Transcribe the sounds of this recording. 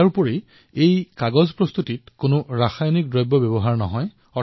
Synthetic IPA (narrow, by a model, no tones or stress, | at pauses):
aɹpɔɹi | ejkaɡɔzpɹɔst̪utitkʊnʊɹaxajnik̚dɹɔjbɔbɔbɔɦaɹnɔ̰ɦɔj | ɔ